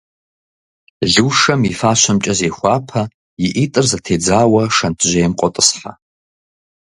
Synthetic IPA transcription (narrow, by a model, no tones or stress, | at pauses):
ɮɨːʂɐmifaːʃʷʰɐmt͡ʃʼɐzeːχʷɑːpʰɐ | jiʔitʼɨrzatʰeːd͡zaːwɐʂɐntʰʒʷɐjɛmqʷʼɔtʼɨsħa̰